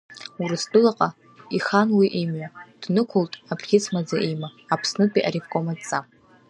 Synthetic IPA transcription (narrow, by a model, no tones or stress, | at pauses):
urɨsdʼɨlaqʼa | iχanwiʔimɥʷad̥nɨkʷʰʊltʼabrχʲɪt͡sʰmad͡zaʔimaːpʰsnɨpʼiʔa̰ɾivkʼomat͡sʼa